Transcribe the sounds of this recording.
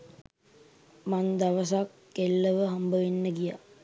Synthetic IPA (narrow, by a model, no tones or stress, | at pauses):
mand̪aʋəs̬akːelːəʋəɦambəʋenːəɡija̰